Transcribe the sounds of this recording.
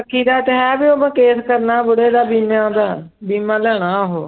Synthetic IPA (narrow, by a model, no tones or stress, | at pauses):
əkʰːiːd̪aːt̪ɦɛːbiːoːmẽːkeːskəɾnaːbʊɽeːd̪aːbiːmãːd̪aː | biːmãːlɛːɽ̃aːɦoː